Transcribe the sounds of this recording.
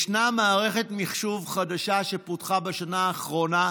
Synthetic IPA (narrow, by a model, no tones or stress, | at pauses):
ʃnamaːʁe̞χe̞t̪miχʃuvχad̪aʃaʃe̞potχabaʃanaːχʁo̞na